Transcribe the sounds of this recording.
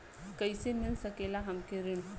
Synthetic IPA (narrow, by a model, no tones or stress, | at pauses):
kɐisemɪlsɐkeːlaɦɐmkeɾɪɽ̃